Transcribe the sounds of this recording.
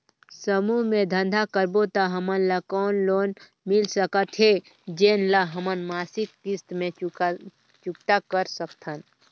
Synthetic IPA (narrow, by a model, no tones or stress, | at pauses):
səmuɦmẽd̪ʱə̃nd̪ʱakəɾbot̪aɦəmənlakɔːnloːn | mɪlsəkət̪ɦe | d͡ʒeːnlaɦəmənmaːsɪkːist̪mẽ | t͡ʃukʈ̪akəɾsəkt̪ʰən